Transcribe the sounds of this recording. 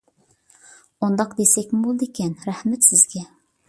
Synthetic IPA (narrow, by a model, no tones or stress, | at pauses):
ond̪ɑqd̪esɛkʲmɪbolˠd̪ɨekʲɛnɾæhmɛt̪sɪzɡʲɛ